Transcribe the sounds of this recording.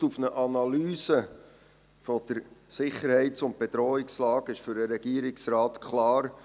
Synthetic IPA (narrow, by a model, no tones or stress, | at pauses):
ufnəʔɑnɑlyːsə | fɔd̥əɾsɪχəɾhɛɪtt͡sʊnt̚b̥ed̪ɾɔːɪkslɑːɡɪʃfʏɾəɾɛɡ̥iːəɾɪksɾɑːt̪kʰlɑːɾ